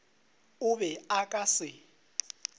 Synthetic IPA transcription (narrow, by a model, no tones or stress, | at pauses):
ʊβɛakʼasɪ